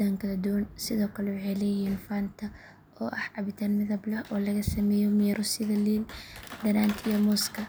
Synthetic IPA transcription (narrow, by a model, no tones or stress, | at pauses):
aːŋkʰɐðɐd̪ʊwnsɪðɔːkʰɐlɛuʕɛlɛjɪnfaːnt̪ʰɐ | ɔːʔɐħʕɑβɪt̪ʰanmɪðɐblɐhʔɔːlɐɣɐsɐmɛːjɔmɪjɾʊsɪðɐliːld̪ɐnaːnt̪ʰijɔmɔːskʰɐ